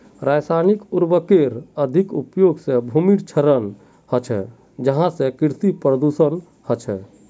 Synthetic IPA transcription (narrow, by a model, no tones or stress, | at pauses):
ɾajsanikuɾbəkeɾəd̪ʱikupjoɡsẽbʱumiɽt͡ʃʰəɾən | hət͡ʃʰɛ̰ | d͡ʒəɦãsẽkiɾt̪ipɾəd̪usən | hət͡ʃʰɛ